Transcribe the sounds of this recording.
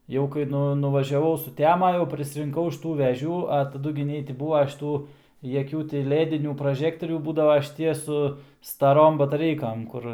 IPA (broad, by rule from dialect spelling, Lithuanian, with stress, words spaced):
jɛʊ kɐɪ ˈnʊ nʊʋɐˈʒʲæːʋɐʊ sʊˈtʲæːmɐ jɛʊ pʲrʲɪsʲɪrʲɪŋˈkɐʊ ɐʃ ˈtuː ʋʲɛˈʒʲuː ɐ tɐˈdʊ ɡʲɪ ˈnʲɛɪ tʲɪ ˈbuːʋɐ ʃʲɪˈtuː jɛˈkʲuː tʲɪ ˈlʲæːdʲɪnʲuː prɐˈʒʲæːktoːrʲuː ˈbuːdɐʋɐ ʃʲɪˈtʲiɛ sʊ stɐˈroːm bɐtɐˈrʲɛɪkɐm ˈkʊr